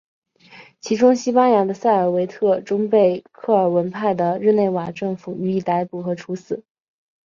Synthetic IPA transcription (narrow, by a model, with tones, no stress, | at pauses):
t͡ɕʰi˧˥ʈ͡ʂʊ˥ŋɕi˥pa˥nja˧˥d̪ə˧sa˥˩ɪə˞˨˩we˧˥ɪt̪ʰɤ˥˩ʈ͡ʂʊ˥ŋpe˥˩˧ɪkʰɤ˥˩ə˞˨˩wə˧˥npʰa˥˩ɪd̪ə˩ɻɻ̩˥˧ne˥˩ɪwa˨˩ʈ͡ʂɤ˥˩ŋfu˨˩˦y˧˩i˥˩t̪a˧˥ɪpu˥˩xɤ˧˥ʈ͡ʂʰu˧˥sɹ̩˨˩˦